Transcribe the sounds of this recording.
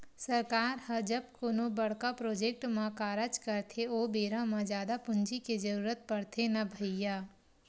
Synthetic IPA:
sɐɾkaːɾhɐd͡ʒɐb̚koːnobɐɽ̤kapɾoːd͡ʒeːk̚ʈmãkaːɾət͡ʃkɐɾt̪ʰeoːbeːɾãmãd͡ʒjaːd̪apʊ̃nd͡ʒiked͡ʒɐɾuːɾət̪̚pɐɽt̪ʰenɐbʱəjaː

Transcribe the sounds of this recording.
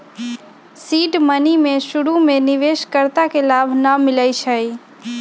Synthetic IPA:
siːʈmənimẽʃʊɽumẽnɪʋeːʃkəɾt̪akelaːbʱnamɪlaiʃʰəi

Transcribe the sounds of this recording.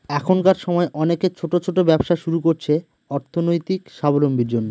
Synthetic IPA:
ɛkʰonkaɾʃɔmɔeʔɔneket͡ɕʰoʈot͡ɕʰoʈobɛbʃaʃuɾukoɾt͡ɕʰe | ɔɾt̪ʰonojt̪ikʃabolombʱiɾd͡ʑonːo

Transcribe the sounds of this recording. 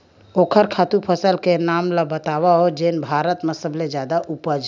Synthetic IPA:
oːkʰəɾkʰaːt̪upʰəsəlkenaːmlabət̪awaɦod͡ʒeːnbʱaːɾət̪mesəbled͡ʒjaːd̪aʔupəd͡ʒ

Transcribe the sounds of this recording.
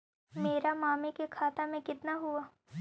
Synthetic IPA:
meːɾamaːmekekʰaːt̪amẽkɪt̪naɦuaː

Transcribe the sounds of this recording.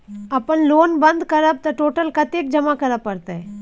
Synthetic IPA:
ɐpənloːnbənd̪kɐɾəb̚t̪ɐʈoːʈəlkɐt̪eːk̚d͡ʒɐmakɐɾəpːɐɾt̪aɦɛ

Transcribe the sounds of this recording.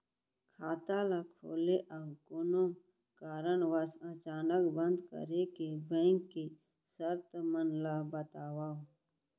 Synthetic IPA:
kʰaːt̪alakʰo̰ːleʔaɡʊnom | kaːɾəɳʋəsət͡ʃaːnəkbə̃nd̪kə̰ɾekebɛ̃ːŋkːe | səɾt̪mənlabət̪aːwaː

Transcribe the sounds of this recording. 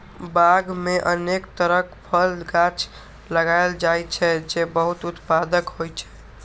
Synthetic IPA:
baɡmeʔənekt̪əɾəkpʰəlɡat͡ʃʰ | ləɡajld͡ʒajt͡ʃʰɛd͡ʒebəɦut̪ut̪pad̪əkɦojt͡ʃʰɛ̥

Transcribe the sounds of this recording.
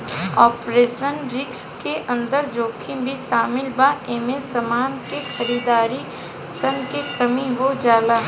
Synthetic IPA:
ɔːpɾeːʃənɾɪkskeʔɐ̃nd̪əɾd͡ʒoːkʰɪ̃bʱiʃaːmɪlbaeːmesɐmaːnkexɐɾiːd̪aːɾi | səŋkekɐmiʋod͡ʒaːlaː

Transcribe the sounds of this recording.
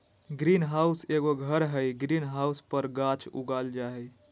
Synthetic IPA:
ɡɾinɦauseɡoɡʱəɾɦəjɡɾinɦauspəɾɡat͡ʃṵɡald͡ʒaɦej

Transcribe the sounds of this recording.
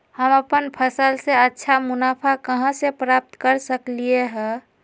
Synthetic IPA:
həməpənpʰəsəlseətːʃʰamunapʰakəɦə̃sepɾap̚t̪kəɾsəklijeɦɛ

